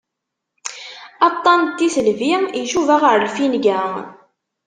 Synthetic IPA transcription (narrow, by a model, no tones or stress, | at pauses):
ɑt̪ˤːɑnt̪ːiθəlviiʃuvæʁəɾəlfinɡæ